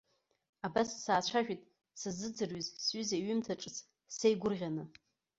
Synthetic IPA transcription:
abassaːt͡ɕʷʰaʒᶣitʼ | sɨzɨd͡zɨrɥizsɥʏzaiɥʏmtʰaʈ͡ʂʼɨt͡sʰ | sejɡʷʊrʁʲanɨ

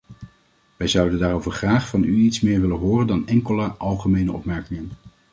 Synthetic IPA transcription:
ʋɛjzʌwdəndaːɾowvəɹχraːχfɑnyitsmɪːɹʋɪlənɦʊːrəndɑnɛŋkələʔɑlˠχəmejnəʔɔpmɛɹkɪŋən

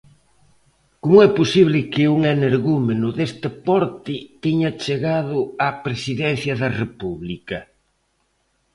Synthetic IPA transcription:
komʊɛposiβlɪkɪuŋeneɾɣumenʊðest̪ɪpɔɾt̪ɪt̪eɲɐt͡ʃeɣaðʊapɾesiðɛn̟θjɐðɐrepuβlikɐ

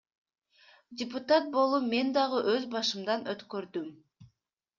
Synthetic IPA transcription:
dʲɪpʊt̪at̪̚bo̞lˠume̞nd̪ɑʁɯʔøzbɑʃɯmd̪ɑnʔøt̪køɾd̪ym

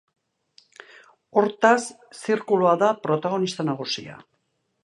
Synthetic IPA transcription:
o̞ɾt̪asː | iɾkuluaðapɾo̞t̪aɣ̞o̞nist̪anaɣ̞usia̰

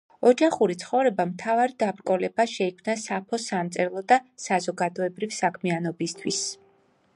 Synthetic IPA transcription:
ɔd͡ʒaχuɾit̪sʰχɔvɾɛbamt̪ʰavaɾid̪abɾkʼɔlɛbaʃɛikʰvmnasapʰɔsamt̪sʼɛɾlˠɔd̪asazɔɡad̪ɔɛbɾivsakʰmianɔbist̪ʰwis

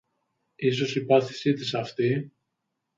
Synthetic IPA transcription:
is̬o̞sipɐθisit̪isɐft̪i

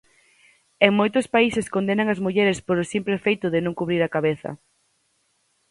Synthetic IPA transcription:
eŋmojt̪ʊspaiseskond̪enaŋazmuʎeɾespoɾosimpɾefejt̪ʊðɪnõŋkuβɾiɾakaβeθɐ̰

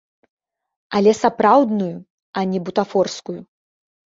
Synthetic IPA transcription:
ɐlʲɛsapɾawd̪nuju | ɐnʲɛbut̪afɔrskuju

